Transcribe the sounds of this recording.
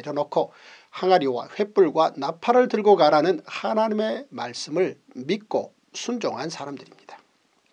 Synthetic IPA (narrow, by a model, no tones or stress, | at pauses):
eɾjʌnokʰo | haŋaɾjowa̰ɸe̞p͈uɭɡwanapʰaɾɯɭtɯɭɡoɡaɾanɯnhanaɲime̞maɭs͈ɯmɯɭ | mit̚k͈o̰ | sʰund͡ʑoŋɦansʰaɾamdɯɾimɲid̥ḁ